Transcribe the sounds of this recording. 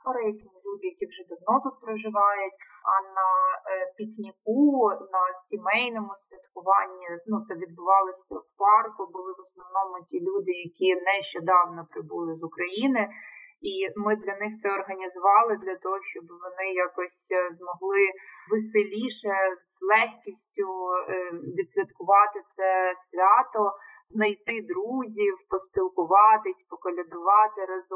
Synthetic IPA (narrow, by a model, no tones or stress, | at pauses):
pɔɾɐjɐkʲɪmlʲud̪ɪjɐkʲiwʒɛd̪ɐwnɔt̪ut̪̚pɾɔʒɪʋɑjʊtʲɐnɐpʲiknʲikunɐsʲimɛjnɔmʊsʲʋʲɐt̪kʊʋɑnʲːinut̪sɛʋʲid̪̚bʊʋɑlˠɪsʲɐ̰wpɑrkʊbʊlˠɪʋɔsnɔwnɔmʊtʲilʲud̪ɪjɐkʲinɛʃt͡ʃɛd̪ɑwnɔpɾɪbulˠɪzʊkɾɐjinɪimɪd̪lʲɐnɪxt̪sɛɔrɦɐnʲizʊʋɑlˠɪd̪lʲɐt̪ɔɦɔʃt͡ʃɔbʋɔnɪjakɔsʲzmɔɦlˠɪʋɪsɪlʲiʃɛzlˠɛxkʲisʲtʲʊ | ʋʲid̪ʲsʲʋʲɐt̪kʊʋɑt̪ɪt̪sɛsʲʋʲɑt̪ɔ | znɐjt̪ɪd̪ɾuzʲiwpɔsʲp̪ʲilˠkʊʋɑt̪ɪsʲpɔkɔlʲɐd̪ʊʋɑt̪ɪɾɐz